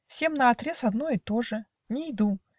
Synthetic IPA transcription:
fsʲe̞mnɐɐt̪ɾʲe̞sɐd̪noɪt̪o̞ʐɨ | nʲɪjd̪u

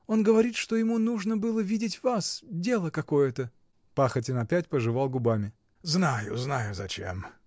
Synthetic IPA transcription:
o̞nɡəvɐɾʲit̪ʂt̪o̞jɪmunuʐnəbɨlˠəvʲidʲɪtʲvasdʲe̞lˠəkɐko̞jət̪ə | paxətʲɪnɐpʲætʲpəʐɨvalˠɡʊbamʲɪ | znajʊ̰znajʊzɐt͡ɕḛm

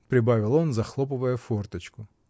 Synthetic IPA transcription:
pɾʲɪbavʲɪlˠɔnzɐxlˠɔpɨvəjɛfɔrt̪ɐt͡ɕkʊ

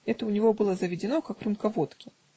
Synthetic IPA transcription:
ɛt̪əʊnʲɪvo̞bɨlˠəzəvʲɪdʲɪno̞kakrɨmkɐvo̞t̪kʲɪ

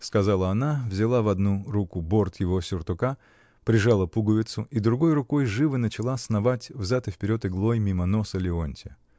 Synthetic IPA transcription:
skɐzalˠəɐnavzʲɪlˠavɐd̪nuɾukʊbo̞rt̪jɪvo̞sʲʊrt̪ʊka | pɾʲɪʐalˠəpuɡəvʲɪt̪sʊid̪ɾʊɡo̞jrʊko̞jʐɨvɨnət͡ɕɪlˠasnɐvatʲvzat̪ɨfpʲɪɾʲo̞t̪ɨɡlˠo̞jmʲiməno̞səlʲɪonʲtʲɪ

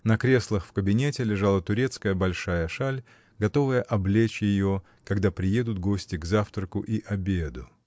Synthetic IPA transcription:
nɐkɾʲe̞slˠəxfkəbʲɪnʲetʲɪlʲɪʐalˠət̪ʊɾʲet̪skəjəbɐlʲʂajəʂalʲ | ɡɐt̪o̞vəjəʔɐblʲet͡ɕjɪjo | kɐɡd̪apɾʲɪje̞d̪ʊt̪̚ɡo̞sʲtʲɪɡzaft̪ɾəkʊʔiʔɐbʲed̪ʊ

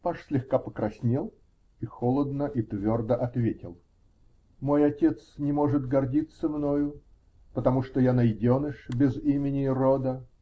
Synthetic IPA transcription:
paʂsʲlʲɪxkapəkɾɐsʲnʲelˠ | ixolˠəd̪nəʔit̪vʲord̪əʔɐt̪vʲetʲɪlˠ | mo̞jɐtʲe̞t̪snʲɪmo̞ʐɨt̪ɡɐrdʲit̪səmno̞jʊ | pət̪ɐmuʂt̪ojanɐjdʲonɨʂbʲɪzimʲɪnʲɪrod̪ə

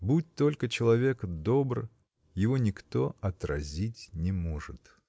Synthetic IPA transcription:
but̚ʲt̪o̞lʲkət͡ɕɪlˠɐvʲe̞kd̪o̞br | jɪvo̞nʲɪkt̪o̞ɐt̪ɾɐ̰zʲitʲnʲɪmo̞ʐɨt̪

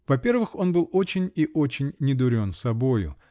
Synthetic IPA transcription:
vɐpʲe̞rvɨxo̞nbɨlˠo̞t͡ɕɪnʲiʔo̞t͡ɕɪnʲːɪd̪ʊɾʲo̞nsɐbo̞jʊ̰

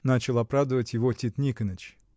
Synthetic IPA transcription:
nat͡ɕɪlˠɐpɾavd̪əvətʲjɪvotʲit̪nʲikənət͡ɕ

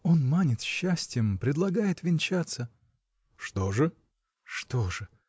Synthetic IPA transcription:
o̞nmanʲɪt̪ɕːasʲtʲɪjəmpɾʲɪd̪lˠɐɡajɪt̪vʲɪnʲt͡ɕat̪sə | ʂt̪o̞ʐɨ | ʂt̪oʐɨ

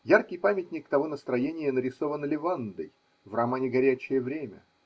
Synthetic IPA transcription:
jarkʲɪjpamʲɪtʲnʲɪkt̪ɐvonəst̪ɾɐjenʲɪjənəɾʲɪso̞vənlʲɪvand̪əj | vramanʲɪɡɐɾʲæt͡ɕːɪjəvɾʲemʲə̰

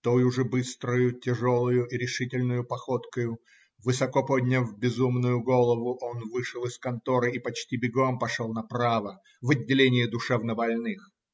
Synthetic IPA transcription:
t̪ojʊʐɨbɨst̪ɾʊjʊtʲɪʐolˠʊjʊʔiɾʲɪʂɨtʲɪlʲnʊjʊpɐxot̪kəjʊ | vɨsɐkopodʲnʲəvbʲɪzumnʊjʊɡo̞lˠəvʊʔo̞nvɨʂəlˠɨskɐnt̪oɾɨipɐt͡ɕtʲibʲɪɡompɐʂolˠnɐpɾavə | vɐdʲːɪlʲenʲɪjɪd̪ʊʂɛvnəbɐlʲnɨx

